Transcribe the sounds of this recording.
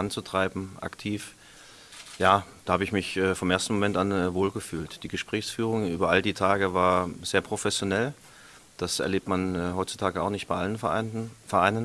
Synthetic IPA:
ant͡sutʁ̥aɪbm̩ʔa̰ktʰiːf | jaːd̥aːhaːbəɪçmɪçʔɛːfɔmʔeːɐstn̩momɛntanɛvoːlɡəfyːltd̥iːɡəʃpʁ̥ɛːçsfyːʁ̞ʊŋʔyːbɐʔaldiːtʰaːɡəvaːɐz̥eːɐpʁ̥ofɛsjonɛl | d̥asɛ̰ɐleːp̚tmanɛːɦɔʏtt͡su̥tʰaːɡəaʊxnɪçt̚b̥aɪʔalənfɛɐʔaɪnən

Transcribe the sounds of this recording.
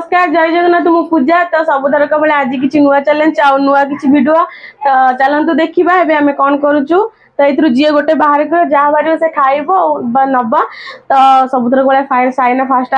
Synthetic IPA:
skaɾd͡ʒajd͡ʒeknat̪umũpud͡ʒat̪ɔsɔbut̪əɾɔkɔbɔlẽad͡ʒik̬it͡ʃʰinuʋat͡ʃalent͡ʃaunuak̬it͡ʃʰibʱiɖuat̪ɔt͡ʃalənt̪ud̪ekʰibaɦebeamekɔnkɔɾut͡ʃʰu | t̪ɔit̪ʰɾud͡ʒieɡoʈebaɦaɾkɔjɔd͡ʒaɦbaɾioseʈʰaːibɔbnɔbat̪ɔsɔbut̪ɾkbɔlapʰajnsajnapʰasʈ

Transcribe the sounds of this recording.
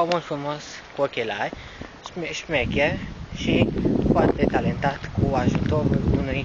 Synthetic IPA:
amõnfumɔskuokelaj | ʃmʃmɛkɛʃifɔɾt̪d̪et̪alẽnt̪at̪kuaʒut̪oununi

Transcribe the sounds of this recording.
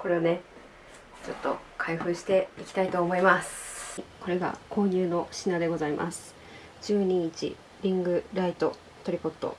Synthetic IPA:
ko̞ɾe̞ane̞ | t͡ɕo̞t̪ːo̞̰kʰaiɸɯ̟ːɕi̥t̪e̞ikʲi̥t̪ait̪o̞ːmo̞imasɨ̥ko̞ɾe̞ɡa̰ko̞ːɲ̟ɨːno̞ɕinad̪e̞ɡo̞zaimʔa̰sɨ̥ | d͡ʑɨːɲ̟it͡ɕḭ | ɾʲĩŋɡɯ̟ɾait̪o̞ | t̪o̞ɾʲipo̞t̪ːo̞̰

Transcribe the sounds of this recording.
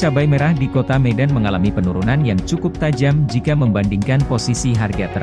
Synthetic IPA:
t͡ʃabajməɾahdikot̪amedanməŋalamipənuɾunanjaŋt͡ʃukʊp̚t̪ad͡ʒamd͡ʒikaməmbandiŋkanposisiɦarɡat̪əɾ

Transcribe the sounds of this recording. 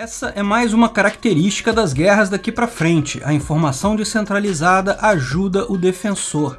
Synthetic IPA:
ɛsɐʔɛmajzũmɐkaɾak̚t̪eɾist͡ʃi̥kɐd̪ɐzɡɛɦɐzd̪akipɾɐfɾẽnt͡ʃɪʔɐĩfoɾmasɐ̃w̃d͡ʒisẽnt̪ɾalizad̪ɐʔaʒud̪ɐʔʊd̪efẽsoɾ

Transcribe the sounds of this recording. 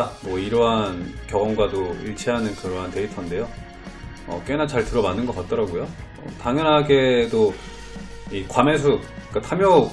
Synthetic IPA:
amwʌiɾʌɦankjʌɡʌŋɡwadoiɭt͡ɕʰiɦanɯnkɯɾʌɦante̞itʰʌnde̞jo | ʌ̰k͈e̞nat͡ɕaɭtɯɾʌmanːɯnɡʌk͈at̚t͈ʌɾaɡojo | ʌ̰taŋjʌnɦaɡe̞do | ikwames̬ʰuk͈atʰamjʌ

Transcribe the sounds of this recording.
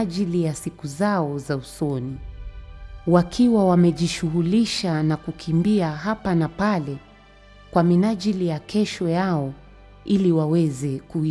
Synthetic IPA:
ʄilijasikuzaɔzausɔni | wakʰiwawamɛʄiʃuɣuliʃanakukʰimbiaɦapanapalɛ | kwaminaʄilijakɛʃɔjaɔ | iliwawɛzɛkui

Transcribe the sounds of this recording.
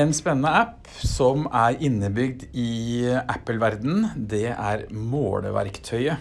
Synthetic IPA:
ɛnspɛnːənəæpː | sɔmæɾɪnːəbʏɡd̪ɪʔæpːəlʋæɾd̪n̩d̪ɛʔæɾmo̰ːlə̰ʋæ̰ɾkt̪ʰœʏə

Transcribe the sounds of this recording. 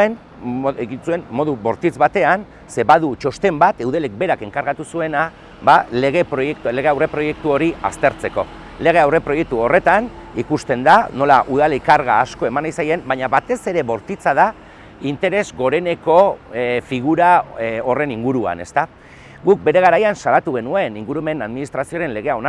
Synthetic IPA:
en | eɣinsue̞nːo̞ðuβo̞ɾt̪it͡sβat̪e̞an | se̞βaðut͡ʃo̞st̪e̞mbat̪e̞wð̞ele̞k̚be̞ɾake̞ŋkaɾɣat̪usue̞na | βaleɣepɾojekt̪le̞ɣe̞awre̞pɾo̞je̞k̚t̪uo̞ɾia̰st̪e̞ɾt͡se̞ko̞̰ | le̞ɣ̞e̞awre̞pɾo̞je̞k̚t̪uo̞re̞t̪anikust̪e̞nd̪ano̞la̰ʔuðalekaɾɣaːsko̞e̞manajsaje̞mbaɲaβat̪e̞se̞ɾe̞βo̞ɾt̪it͡saða | int̪e̞ɾe̞zɣo̞ɾe̞ne̞ko̞fiɣ̞uɾao̞re̞niŋɡuɾua̰ne̞st̪a | ɣuk̚be̞ɾe̞ɣ̞aɾajansalat̪uɣe̞nue̞niŋɡuɾume̞naðminist̪ɾasioɾe̞nle̞ɣ̞e̞aona

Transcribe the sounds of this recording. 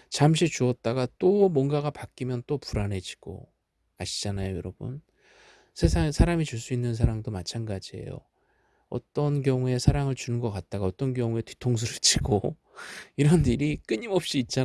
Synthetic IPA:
t͡ɕamɕ̬ʰit͡ɕuʌt̚t͈aɡat͈omwʌnɡaɡapak͈imjʌnt͈opuɾane̞d͡ʑi̥ɡ̥o̰ | aɕʰid͡ʑanajojʌɾʌbṵn | sʰesʰasʰaɾamit͡ɕuɭs͈uinːɯns̬ʰaɾaŋdomat͡ɕʰanɡad͡ʑie̞̰jo̰ | ʌ̰t͈ʌnkjʌŋue̞sʰaɾaŋɯɭt͡ɕunɯnɡʌk͈at̚t͈aɡaʌt͈ʌnkjʌŋue̞ti̥tʰoŋs̬ʰɯɾɯɭt͡ɕiɡo | iɾʌniɾik͈ɯɲimʌp̚ɕ͈iːt̚t͡ɕ͈a

